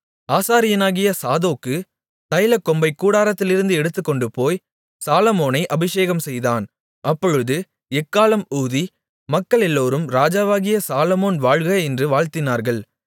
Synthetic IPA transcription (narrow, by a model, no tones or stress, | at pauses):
aːsaːɾɪjɐnaːɣɪjɐsaːðoːkːɯ | t̪ɐjlɐkːɔmbɐɪkːuːɽaːɾɐt̪ːɪlɪɾɯnd̪ɯɛɽɯt̪ːɯkːɔɳɖɯpoːj | saːlɐmoːnɐɪʔɐbɪʂeːɣɐmsɛjðaːn | ʔɐpːɔɻɯðɯ | ɛkːaːlɐmuːði | mɐkːɐɭɛlːoːɾɯmɾaːd͡ʒaːʋaːɣɪjɐsaːlɐmoːnʋaːɻɣɐɛndrɯʋaːɻt̪ɪnaːɾɣɐɭ